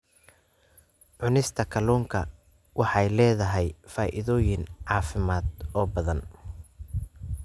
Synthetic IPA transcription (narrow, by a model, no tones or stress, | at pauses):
ʕʊnɪst̪ʰɐkʰɐlɔːŋkʰɐ | wʔɑħɑjlɛːðɐɦɛjfaːʔɪ̰ðɔːjɪnʕɑːfɪmaːd̪ɔːbɐðɐn